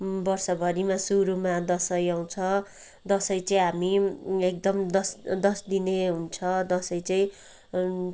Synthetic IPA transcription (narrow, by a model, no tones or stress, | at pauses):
bʌrsʌbʱʌɾimasuɾumad̪ʌsʌjaw̃t͡sʰʌ | d̪ʌsʌjt͡sʌĩɦamiek̚d̪ʌmd̪ʌsd̪ʌsd̪ineɦunt͡sʰʌd̪ʌsʌjt͡sʌĩ